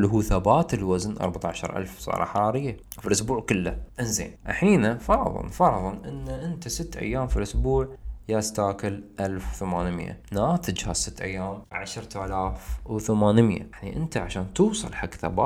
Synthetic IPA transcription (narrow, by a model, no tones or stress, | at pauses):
lːɦuːθabaːt̪ɪlwaznʔɑ̰ɾˤbat̪ˤɑʕaʃɑ̰ɾˤʔa̰lfsˤɑ̰ːɾˤɑ̰ħɑˤɑːɾɪjːa | filʔʊsbuːʕkʊlːaʔɪnzḛːnʔaħiːnafɑɾˤðˤɨ̰lfɑɾˤðˤɨlʔɪnːaʔɪnt̪asɪt̪ːʔa̰jːaːmfilʔʊsbuːʕjast̪aːkɪlʔalfwθamaːnɪmja̰naːt̪ɪd͡ʒhasɪt̪ːʔa̰jːaːmʕaʃɾˤt̪ʰaːlaːfwθamaːnɪmja̰ʕniʔɪnt̪aʕaʃaːnt̪uːsˤɨ̰lħaɡθa̰ba̰ː